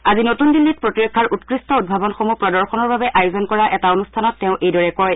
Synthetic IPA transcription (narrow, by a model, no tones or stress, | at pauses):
azinotundilːit̚pɹotiɹɔkʰːaɹʔutkɹistɔud̚bʱabɔnxomupɹɔdɔɹxɔnɔɹbabɛʔajozɔnkɔɹaʔɛtaonustʰanɔtːɛʊ̃ʔejdɔɹɛkɔj